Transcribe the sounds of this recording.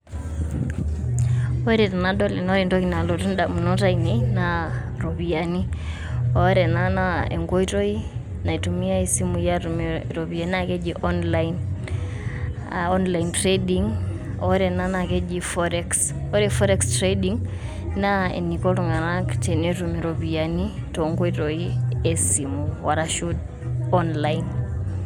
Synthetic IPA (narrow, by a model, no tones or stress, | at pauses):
ɔɾɛtanaɗɔlɛnɔɾindɔkinalɔtunɗamunɔtainɛina | ɾɔβiani | ɔɾɛnanaɛ̰ŋɡɔitɔi | naitumiaisimujaumɾɔβianakɛd͡ʒiʔɔnlain | ɔnlaintɾɛdiŋ | ɔɾɛnanakɛd͡ʒifɔɾɛks | ɔɾɛfɔɾɛkstɾɛɗiŋ | naɛ̰nikɔluŋanaktɛnɛtumiɾɔβianitɔŋɡɔitɔiɛsimuwaɾaʃud | ɔnlain